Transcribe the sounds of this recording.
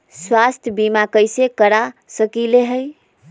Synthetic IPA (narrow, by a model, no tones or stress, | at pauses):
swast̪ʰjəbimakəjsekəɾasəkileɦəj